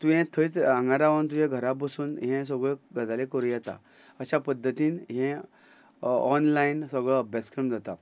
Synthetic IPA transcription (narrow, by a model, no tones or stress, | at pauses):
t̪uɦẽt̪ʰəit͡sãŋɡaɾaʋənt̪̬uɦẽɡʱəɾabəsuːnɦɛ̃s̬əɡɭeɡəd͡zalekəɾũjɛt̪a̰ | əɕapəd̪ʱːət̪iːnɦɛ̃ | ɔnlainsəɡɭɔəbʱjat͡skɾəmd͡zat̪a